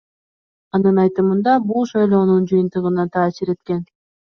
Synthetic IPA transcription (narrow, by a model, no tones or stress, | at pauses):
ɑnɯnɑjt̪ɯmɯnd̪ɑbulˠʃɑjlˠo̞ːnund͡ʒɯjɯnt̪ɯʁɯnɑt̪ʰɑːsiɾe̞t̪ke̞n